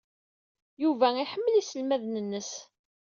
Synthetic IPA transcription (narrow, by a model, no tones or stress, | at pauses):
juvæiħəmːəlisəlmæðnənːəs